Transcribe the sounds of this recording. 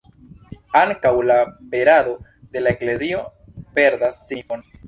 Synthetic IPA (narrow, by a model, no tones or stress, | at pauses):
aŋkawlabe̞ɾad̪o̞ | d̪e̞laekle̞zio̞pe̞ɾd̪ast͡sifo̞n